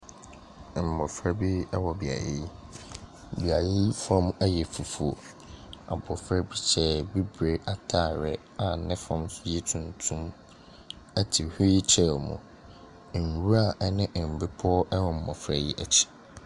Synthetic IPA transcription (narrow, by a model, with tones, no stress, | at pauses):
m̩˨mɔ˨fɾa˦bi˦ɛ˦wɔ˨bi˨a̰˨jḛ˦j | bi˨a˨je˦fã˦mɛ˦jɛ˨fu˨fu˨o˨ | a̰˨bɔ˨fɾɛ˦bi˦t͡ɕʰɛ˨bi˦bɾe˨ʔa˨tʰa˦˨ɾɛ˨ | a˨nɪ̃˦fã˦msʊ˦jɛ˦tʰũ˨ntʰũ˦m | ɛ˦tʰi˨hi˦t͡ɕʰɛ˦mʊ̰̃˨ | n˨wu˦a˦˨ʔɛ˦nɪ̃˦ʔm̩˨be˦pʰɔ˦ʔɛ˦wɔ̃˨m̩˨mɔ˨fɾa˨ji˦ʔɛ˨t͡ɕʰi̥˦˨